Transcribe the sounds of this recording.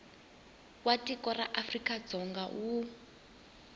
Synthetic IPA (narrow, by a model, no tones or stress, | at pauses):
watʼikɔraʔafrikʼad͡zɔŋɡaʔu